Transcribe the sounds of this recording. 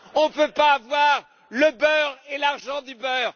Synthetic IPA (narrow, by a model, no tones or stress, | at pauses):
ɔ̃pøpaːvwaʁ | ləbœːʁelaʁʒɑ̃d̪ybœːʁ